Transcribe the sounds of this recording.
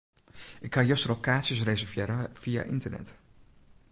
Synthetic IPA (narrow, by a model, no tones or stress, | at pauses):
ɪkhajøstrokaːtsjəs̬rejzəvjɛːɾəv̥ija̰ʔɪ̰ntərnɛ̰t